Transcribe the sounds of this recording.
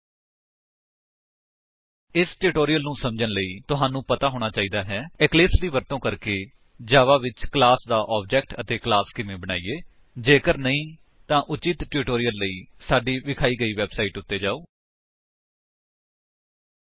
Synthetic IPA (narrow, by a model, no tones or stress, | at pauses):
ɪsʈuːʈoːɾɪjəlnũːsəmd͡ʒənləiːt̪ʊɦaːnũːpət̪aːɦoːɽ̃aːt͡ʃaːiːd̪aːɦɛːɪklɪːsliːʋəɾt̪õːkəɾkeː | d͡ʒaːʋaːʋɪt͡ʃklaːsd̪aːʔɔːb̚d͡ʒɛːk̚ʈət̪eːklaːskɪmẽːbəɽaːiːeː | d͡ʒeːkəɾnəĩː | t̪ãːʔʊt͡ʃɪt̪ʈuːʈoːɾɪjəlːəiːsaːɖiːʋɪkʰaːiːɡəiːʋɛːbsaːiːʈʊt̪ːeːd͡ʒaːoː